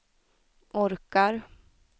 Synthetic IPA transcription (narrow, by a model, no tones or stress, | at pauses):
ʔɔɾkaɾ